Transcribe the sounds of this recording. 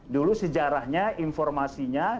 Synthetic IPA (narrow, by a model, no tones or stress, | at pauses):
dulusəd͡ʒaɾahɲainfɔrmasiɲa